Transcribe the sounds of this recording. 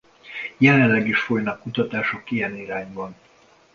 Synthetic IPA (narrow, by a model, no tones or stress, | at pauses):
jɛlɛnlɛɡiʃfo̞jnɒkːut̪ɒt̪aːʃo̞kijɛniɾaːɲbɒn